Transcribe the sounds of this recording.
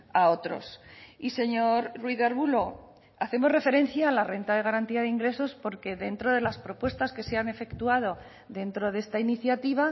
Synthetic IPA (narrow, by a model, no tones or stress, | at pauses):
ao̞t̪ɾo̞̰sise̞ɲo̞ɾrwiðaɾβulo̞ | aθe̞mo̞zre̞fe̞ɾẽ̞n̟θjaːlare̞nt̪að̞e̞ɣ̞aɾant̪iaðeiŋɡɾe̞so̞spo̞ɾke̞ðe̞nt̪ɾo̞ðe̞laspɾo̞pwe̞st̪aske̞seane̞fe̞kt̪uað̞o̞ | ðe̞nt̪ɾo̞ðe̞st̪ainiθjat̪iβ̞a